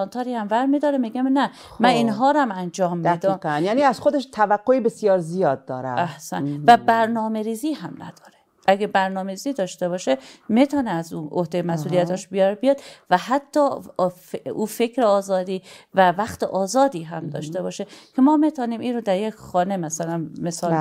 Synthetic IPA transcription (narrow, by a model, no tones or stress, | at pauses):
ɒnt̪ʰɒːɾiːhæmvæɾmiːd̪ɒːɾemiːɡæmnæ | mæniːnɦɒːɾæmænd͡ʒɒːmbdeɔmjæniæzxod̪eʃt̪ʰævæɡːoebesijɒːɾzijɒːd̪̚dːɒ̰ːɾæ̰æhsæ̰nvæbæɾnɒːme̞ɾiːziːɦæmnæ̰d̪̥ɒːɾe | ʔæɡæbæɾnɒːmeɾiːziːd̪ɒːʃt̪e̞bɒːʃemet̪ʰɒːneæzṵːohd̪ejemæsʔuːlijæt̪ɒʃbijɒɾbijɒd̪væɦæt̪ʰːɒːfuːfe̞kʰɾeɒːzɒːd̪iːvævæxt̪ḛʔɒːzɒːd̪iːɦæmd̪ɒ̰ːʃt̪e̞bɒːʃekʰemɒːmet̪ʰɒːniːmʔiːnɾod̪æɾjekʰxɒːne̞mæsælænmesɒːl